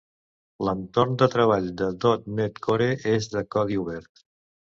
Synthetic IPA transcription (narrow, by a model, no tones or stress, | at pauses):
lənt̪ornd̪ət̪ɾəβ̞aʎd̪əd̪ot̪̚net̪kʰoɾeʔezðəkɔðiuβɛɾt̪